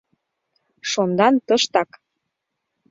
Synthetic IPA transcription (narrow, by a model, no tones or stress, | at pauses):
ʃond̪ɑnt̪əʃt̪ɑk